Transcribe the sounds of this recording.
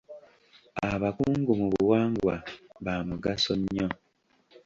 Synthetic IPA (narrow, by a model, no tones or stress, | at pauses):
aβakuːŋɡumuβuuwaːŋɡwaβaːmuɡasoɲːo